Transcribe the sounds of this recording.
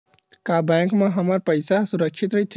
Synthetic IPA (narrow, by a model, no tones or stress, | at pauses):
kabɛ̃ŋkmẽɦəməɾpəjsasuɾəkʃʰit̪ɾəjt̪ʰː